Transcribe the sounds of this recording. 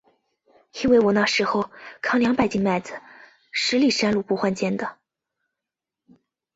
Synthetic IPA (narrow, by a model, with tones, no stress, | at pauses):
i˥nwe˥˩ɪwɔ˨˩na˥˩ʂɻ̩˧˥xo˥˧ʊkʰɑ˧˥ŋljɑ˧˥ŋpa˥˩ɪt͡ɕi˥˧ŋma˥˩ɪd͡zɹ̩˨˩ | ʂɻ̩˧˥li˥˩ʂa˥nlu˥˩pu˥˩xwa˥˧nt͡ɕjɛ˥nd̪ə˨